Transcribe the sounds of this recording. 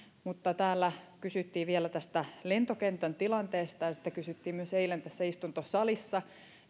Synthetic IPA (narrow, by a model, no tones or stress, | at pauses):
mut̪ːɑt̪æːlːækysyt̪ːiːʋielæt̪æst̪ælent̪okent̪ænt̪ilɑnt̪eːst̪ɑjɑsi̥t̪ːækysyt̪ːiːmmyøseilent̪æsːæist̪unt̪osɑlisːɑ